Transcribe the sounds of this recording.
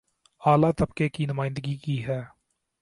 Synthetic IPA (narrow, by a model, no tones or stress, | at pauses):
aːlaːt̪əbkeːkinʊmaːɪ̃nd̪əɡikiːɦɛː